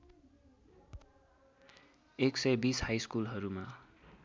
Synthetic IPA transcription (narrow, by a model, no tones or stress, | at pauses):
eksʌjbishajskulɦʌɾuma